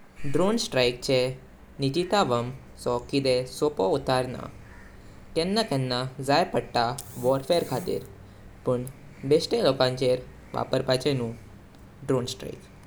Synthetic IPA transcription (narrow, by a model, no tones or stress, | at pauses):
ɖɾonsʈɾajk̚t͡ɕʰe | nid͡ʒit̪aʋəm | sɔkid̪esopout̪aɾna̰ | kɛnːakɛnːazajɾpəɽʈaʋɔɾfeɾkʰat̪ḭɾ | pəɳ | besʈelɔkãnt͡ʃeɾ | ʋa̰pəɾpat͡ʃenũ | ɖɾonsʈɾa̰ik